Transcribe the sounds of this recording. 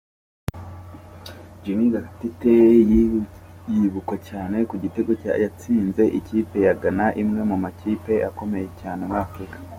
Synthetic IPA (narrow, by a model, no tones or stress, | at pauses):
ɟinizakatite | jiβukwacaːne̞kuɟite̞ɡo̞ca̰jat͡siːnze̞ʔiciːpe̞jaɡanaʔimŋe̞mumaciːpe̞ʔako̞me̞je̞caːnewakikḁ